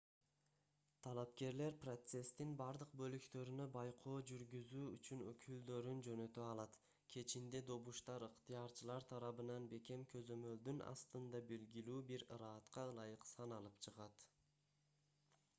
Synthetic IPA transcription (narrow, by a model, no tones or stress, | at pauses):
t̪ʰɑlˠɑp̚ke̞ɾle̞ɾprot̪se̞st̪inbɑɾd̪ɯq̚bø̞lykt̪ø̞ɾynø̞bɑjqʰo̞ːd͡ʒyɾɡyzyːyt͡ʃynø̰kʰyld̪ø̞ɾynd͡ʒø̞nø̞t̪øɑlˠɑt̪ | kʰe̞t͡ʃind̪e̞d̪o̞βuʃt̪ɑɾɯqt̪ijɑɾt͡ʃɯlˠɑɾt̪ʰɑɾɑβɯnɑnbe̞ke̞mkʰø̞zø̞mø̞ld̪ynɑ̰st̪ɯnd̪ɑbe̞lɡʲilyːbiɾɾɑːt̪qɑlˠɑjɯqsɑnɑlˠɯpt͡ʃʰɯʁɑt̪